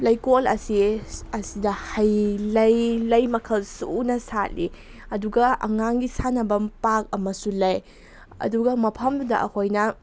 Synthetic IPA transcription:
lɐjkolɐ̰siɐsidɐhɐjlɐjlɐjmɐkʰɐlsunɐsat̚li | ɐduɡɐɐ̰ŋaŋɡisanɐbɐmpak̚ɐmɐsulɐj | ɐ̰duɡɐmɐpʰɐmddɐ̰ʔɐ̰kʰojnɐ

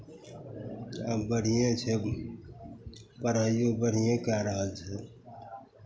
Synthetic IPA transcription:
abəɽ̤ijẽt͡ʃʰe | pəɾaːjõbəɽ̤ijẽːkaɾəɦəlt͡ʃʰeː

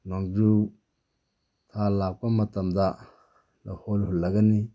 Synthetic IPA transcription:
naŋd͡ʒu | tʰalakʷamatamda | laholhulaɡani

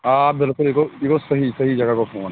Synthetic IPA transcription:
aːbɪlkʊlekoekosɐɦisɐɦid͡ʒɐɡakopʰoːn

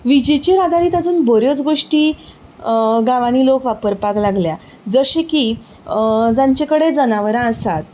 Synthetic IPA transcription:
ʋid͡ʑit͡ɕeɾad̪ʱaɾiːt̪ad͡zuːnbʱoɾjot͡sɡoʂʈiː | ɡaʋaniːlokʋapəɾpaklaɡlja | d͡zəɕeki | d͡zãɲt͡ɕẽkəɽed͡zənaʋəɾãəsat̪̚

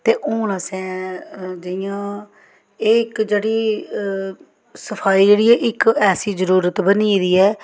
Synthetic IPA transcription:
t̪eːʔoːnaːsɛ̃ːd͡ʒɪjãː | ɪɪkd͡ʒeːɽiː | səpʰaːiːd͡ʒeːɽiːɛːʔɪkɛːsiːzəɾuːɾət̪bəniːd̪iːɛː

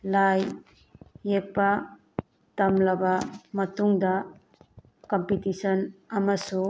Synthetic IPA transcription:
lajː | ek̚pa | tɐmlabamɐtuŋda | kɔmpitisɔnɐmasu

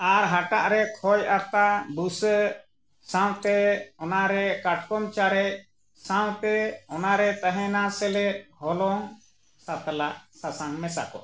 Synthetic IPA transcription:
aɾɦaʈa̰ʔɾɛkʰɔjʔat̪abusə | saw̃t̪ɛɔnaɾɛkaʈ̚ʰkɔmt͡ʃaɾɛc̚ | saw̃t̪ɛɔnaɾɛt̪aɦɛ̃nasɛlɛʔɦɔlɔŋ | sat̪alaʔsasaŋmɛsa̰kɔ̰

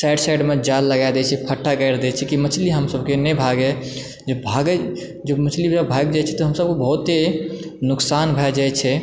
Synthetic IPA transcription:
saɪɖsaɪɖmed͡ʒalːəɡaed̪ɛt͡ʃʰɛpʰəʈʰːakəɾd̪ɛt͡ʃʰɛkimət͡ʃʰliɦəmsəbkenɛbʱaɡɛ | d͡ʒebʱaɡɛ | d͡ʒəmət͡ʃʰlibabʱaɡd͡ʒajt͡ʃʰɛt̪ɔɦəmsəb̚kebəɦut̪ːenʊksanbʱɛd͡ʒajt͡ʃʰɛ

